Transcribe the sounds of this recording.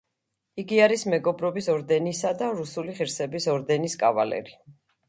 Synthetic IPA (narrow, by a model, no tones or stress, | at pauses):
iɡiaɾismɛɡɔbɾɔbisɔɾd̪ɛnisad̪aɾusuliχiɾsɛbisɔɾd̪ɛniskʼava̰lɛ̰ɾi